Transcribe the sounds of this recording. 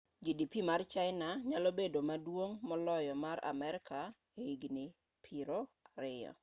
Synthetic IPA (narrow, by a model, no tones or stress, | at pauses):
d͡ʒidipimart͡ʃaɪnaɲalɔbedomadwoŋmɔlɔjɔmaɾʔa̰mɛɾɪkʰa | eiɡnɪ | pʰiɾoaɾɪjɔ̰